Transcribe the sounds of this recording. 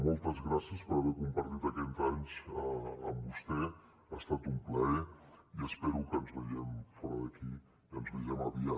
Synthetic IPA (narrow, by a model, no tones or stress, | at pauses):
mɔlˠt̪əzɣɾasiəspəɾəβɛɾkumpəɾt̪it̪əkɛnzaɲzəəmbust̪ɛ | ast̪at̪umpləɛiəspɛɾukənzβəʒɛmfɔɾəðəki | ənzβəʒɛməβia